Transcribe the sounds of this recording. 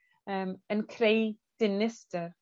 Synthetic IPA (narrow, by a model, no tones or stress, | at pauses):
əːmənkʰrejd̥ɪnɪstər